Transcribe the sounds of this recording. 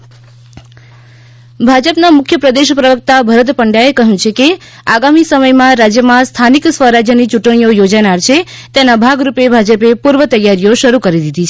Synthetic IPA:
bʱad͡ʒəpnamʊkʰjəpɾəd̪eʃpɾəʋək̚t̪abʱəɾət̪pəɳɖjaekəɦjũt͡ʃʰeke | aɡamisəməjmãɾad͡ʒjəmãst̪ʰaniksʋəɾad͡ʒjənit͡ʃuʈɽ̃ijojod͡ʒanaɾt͡ʃʰet̪enabʱaɡɾupebʱad͡ʒəpepuɾʋət̪əjːaɾijoʃəɾukəɾid̪id̪ʱit͡ʃʰe

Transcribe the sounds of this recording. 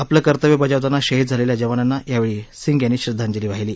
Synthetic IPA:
apləːkəɾt̪əʋebəd͡ʑaʋt̪anːaɕəɦit̪̚d͡zʱaleljad͡ʑəʋananːajaʋeɭiːsiŋɡjanːiːɕɾid̪ʱːand͡ʑeliːʋaɦiliː

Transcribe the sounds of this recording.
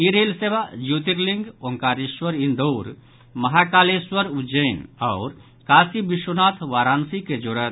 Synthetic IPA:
iɾelsebad͡ʒut̪iɾliŋɡoŋkaːɾiswəɾĩnd̪oːɾ | mɐɦakaːleswəɾud͡ʒəɪnɐːɾ | kaːsibiʃwonaːt̪ʰʋaːɾaːnsiked͡ʒoɾət̪

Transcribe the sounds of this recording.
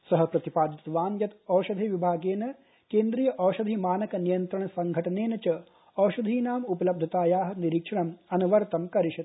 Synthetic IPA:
sɐɦɐ̆pɾɐt̪ipaːd̪it̪ʋaːnjɐt̪ɔːʃɐd̪ʱiʋibʱaːɡeːnɐ | keːnd̪ɾiːjɐʔɔːʃɐd̪ʱimaːnɐkɐnijɐnt̪ɾɐɳɐsɐŋɡʱɐʈɐneːnɐt͡ʃɐ | ɔːwʃɐd̪ʱiːnaːmupɐlɐb̚d̪ʱɐt̪aːjaːɦɐ̆niɾikʂɐɳɐmɐnɐʋɐɾt̪ɐmkɐɾiʃɐt̪

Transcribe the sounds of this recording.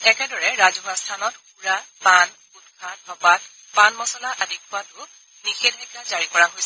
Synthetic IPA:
ɛkɛdɔɹɛɹazɔɦastʰanɔtxuɹapan | utkʰat̚babat | panmɔsɔlaʔadʱikʰuwatʊ | nixɛdʱajkazaɹikɔɹaɦojsɛ

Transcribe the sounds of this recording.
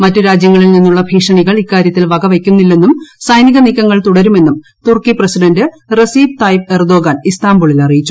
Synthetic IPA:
mɐtːɨɾaːd͡ʑjɐŋːɐɭilninːuɭːɐbʱiːʂɐɳiɣɐɭikːaːɾjɐt̪ːilʋɐɡɐʋekʲːunːilːe̞nːumsɐjniɣɐnikːɐŋːɐɭt̪uɽɐɾume̞nːum | t̪urkiprɐsiɖɐndɨ | rɐsiːb̚t̪ɐjferd̪o̞ːɡaːnist̪aːmbuɭilɐrijit͡ɕːu̥

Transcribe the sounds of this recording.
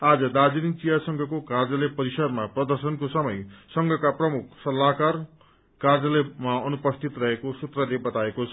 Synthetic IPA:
ad͡zʌd̪ad͡ziɾint͡sijasʌŋɡʱʌkokard͡zʌlepʌɾisʌd̪maprʌd̪ʌrsʌnkosʌmʌjsʌŋɡʱʌkaprʌmuk̚ʰsʌlːakar | kard͡zʌlemaʌnupʌst̪ʰit̪rʌɦekosut̪rʌlebʌt̪aekot͡sʰʌ

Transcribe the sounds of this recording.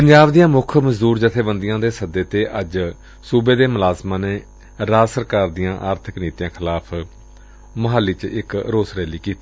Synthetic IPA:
pəɲd͡ʒaːbd̪ijãːmʊkʰməzd̪uːɾd͡ʒət̪ʰeːbənd̪ɪjãːd̪eːsəd̪eːt̪eːʔəd͡ʒ | suːbeːd̪eːmʊlaːzmãːneː | ɾaːsəɾkaːɾd̪ɪjãːʔaːɾt̪ʰəkniːt̪ijãːkʰɪlaːpʰ | məɦaːliːt͡ʃɪkɾoːsɾɛːliːkiːt̪iː

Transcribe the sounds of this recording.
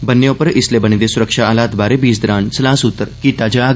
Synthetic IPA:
bənːjõpəɾɪslebəñid̪esʊɾəkʂaəlaːt̪baːɾebiːsd̪əɾaːnsəlãːsʊt̪ːəɾkit̪aːd͡ʒa

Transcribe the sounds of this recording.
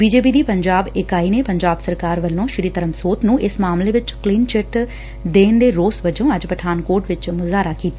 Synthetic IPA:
biːd͡ʒeːp̬iːd̪iːpəɲd͡ʒaːbɪkaːiːneːpəɲd͡ʒaːbsəɾkaːɾʋəlːõːʃɪɾiːt̪əɾəmsoːt̪nũːʔɪsmaːmleːʋɪt͡ʃkliːnt͡ʃɪʈ | d̪eːnd̪eːɾoːsʋəd͡ʒõːəd͡ʒpəʈʰaːnkoːʈʋɪt͡ʃmʊzaːɾaːkiːt̪aː

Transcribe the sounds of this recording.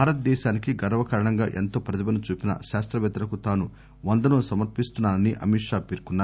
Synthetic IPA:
aːɾɐt̪̚d̪ɛːʃaːnikiɡɐɾɐʋɐkɐːɾɐɳɐŋɡa̰ːʔe̞nt̪o̞ːpɾɐt̪ʰibɐnut͡ʃuːpinɐ̰ʃaːst̪ɾɐʋɛːt̪ɐɾɐkut̪aːnu | ʋɐnd̪ɐnoːsɐmɐɾpist̪unːaːnɐniʔɐ̰miʂaːpiːɾkunːaː

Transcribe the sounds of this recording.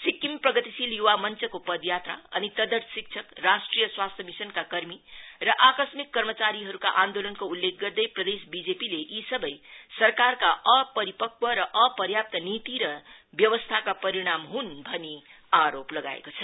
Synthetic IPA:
sikːimprʌɡʌt̪isiljuwamʌnt͡sʌkopʌd̪jat̪ra̰ʌnit̪ʌd̪ʌt̪sik̚t͡sʰʌkrasʈrijʌswast̪ʰjʌmisʌnkakʌrmirʌʔakʌsmikːʌrmʌt͡saɾiɦʌɾuka̰ʔãnd̪olʌnkoulːek̚ʰɡʌrd̪ʌjprʌd̪esbid͡zepileʔisʌbʌjsʌrkarkaʔʌpʌɾipʌk̚bʌɾʌʔʌpʌrjap̚t̪ʌnit̪iɾʌbjʌwʌst̪ʰakapʌɾiɽ̃amɦunbʱʌni | aɾoplʌɡa̰ḛkot͡sʰʌ

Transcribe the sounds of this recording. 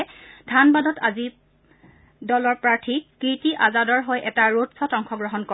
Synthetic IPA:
d̥ʱanbadɔtʰazi | dɔlɔɹpɹaɹtʰikitiʔazadɔɹɦojʔɛtaɹotsɔtɔŋxʰɔɡɹɔɦɔnkɔ

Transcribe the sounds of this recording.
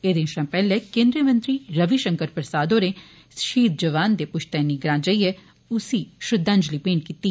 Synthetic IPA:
eːd̪eːnʃãːpɛːlɛːkẽːnd̪ɾiəmə̃nt̪ɾiːɾəʋiʃəŋkəɾpɾəsaːd̪oːɾeː | ʃiːt̪̚d͡ʒəʋaːnd̪eːpʊʃt̪ɛːniːɡɾãːd͡ʒəiɛː | ʊsiːʃʊd̪ʱːãːɲd͡ʒliːpẽːɳʈ̚kiːt̪ːiː

